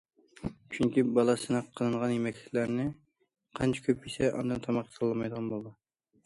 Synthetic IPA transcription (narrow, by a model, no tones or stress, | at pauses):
t͡ʃʰyŋkʲibɑlˠɑsɨnɨqʰːəlˠɨɴʁɑnjimɛkʲʰɪlæɾnɪ | qʰɑnt͡ʃʰɪ̥kʲʰøp̚isɛʔɑ̰nd̪ɨnt̪ʰɑmɑqʰsɑlˠːɨmɑjd̪əʁɑnbolˠɨd̪ɨ